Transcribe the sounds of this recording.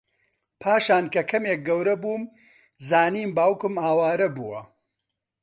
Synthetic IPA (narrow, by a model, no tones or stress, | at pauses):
pʰaːʃaːnkɐkʰɐmeːk̚ɡɐwɾɐbuːm | zaːniːmbaːwkɨmaːwaːɾɐbuwɐ